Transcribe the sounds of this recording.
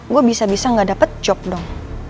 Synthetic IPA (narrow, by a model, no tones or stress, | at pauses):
ɡuabisabisaŋɡadapət̪̚t͡ʃɔp̚dɔŋ